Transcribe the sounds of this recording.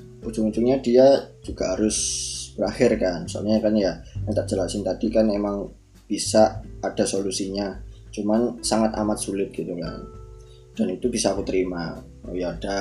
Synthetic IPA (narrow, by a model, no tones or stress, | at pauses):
ud͡ʒʊŋut͡ʃuŋɲadiad͡ʒuɡ̥aɦaɾʊsb̥əɾahɪrkansɔa̰lɲakanjajaŋt̪aʔd͡ʒ̥əlaʔsɪnt̪adikanemaŋ | b̥isaːd̥a̤solusiɲat͡ʃumansaŋat̪a̰mat̪sulɪt̪̚ɡ̥it̪uka̰n | d̥anit̪ubisaːkut̪əɾima | o̰jaada